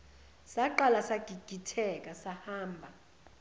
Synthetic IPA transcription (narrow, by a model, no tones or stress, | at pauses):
saǃalasaɡ̥ʱiɡ̥ʱitʰɛk̬ʼasahaːmbʱa